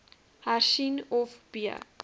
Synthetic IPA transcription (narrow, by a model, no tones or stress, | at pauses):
haʃinɔfb̥iə̰